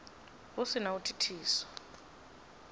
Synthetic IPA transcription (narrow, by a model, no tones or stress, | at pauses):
usinautʰi̥tʰiːsɔ̥